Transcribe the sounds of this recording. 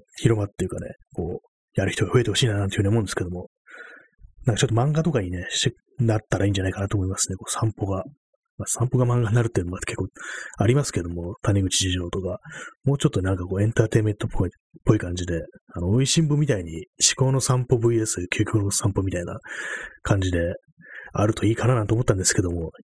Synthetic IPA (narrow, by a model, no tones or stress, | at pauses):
çiɾo̞mat̪ːejɯ̟ka̰ne̞̰ | ko̞ː | jaɾɯ̟çi̥t̪o̞ɡaɸɯ̟e̞t̪e̞ho̞ɕiːnanãneɯnamond̪sɨ̥ke̞d̪o̞mo̞ | nãŋkat͡ɕo̞t̪ːomãŋɡat̪o̞kaɲ̟ine̞ɕe | nat̪ːaɾaiːɲ̟d͡ʑanaikanat̪oːmo̞imasɨ̥nd̪ekoːsãmpo̞ɡa | masãmpo̞ɡamãŋɡaɲinaɾɯ̟t̪ːeiɯnoɡakʰe̞kːoːaɾʲimasɨ̥ke̞d̪o̞mo̞t̪aɲʲiɡɯ̟t͡ɕiʑiʑo̞ːt̪o̞kamo̞ːt͡ɕo̞t̪ːonãŋkako̞ːẽ̞nt̪aːt̪e̞ːmẽ̞nt̪opʰo | pːo̞ikãɲ̟d͡ʑid̪e̞ano̞oiɕĩmbɯ̟mʲit̪aiɲ̟iɕi̥ko̞ːno̞sãmpo̞bɯ̟iesɨkʲʰoːkʲokonosãmpomʲit̪aina̰kʰãɲ̟d͡ʑid̪e̞ | aɾɯ̟t̪o̞iːkananãnt̪omo̞t̪ːãnd̪esɨ̥ke̞d̪o̞mo̞